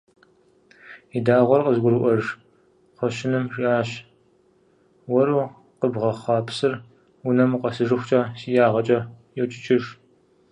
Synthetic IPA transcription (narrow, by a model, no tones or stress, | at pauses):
idaːʁʷɔrqʼəzɡʷʊɾɨʔʷɐʐ | χʷɔɕɪnɨmriaːɕ | wɔɾuː | qəbʁɐχʷɑːpʰsɨr | ʊnɐmqʼɐsɨʒɨxʷt͡ʃʼaːsijaːʁɐt͡ʃʼɐjɛwt͡ʃʼɪt͡ʃʰʼɪʐ